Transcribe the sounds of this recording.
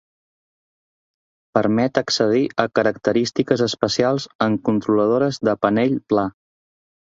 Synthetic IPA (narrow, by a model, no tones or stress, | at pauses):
pəɾmɛt̪əksəð̞iʔəkəɾəkt̪əɾist̪ikəzəspəsialˠzəŋkunt̪ɾuləð̞oɾəzðəpənɛʎpla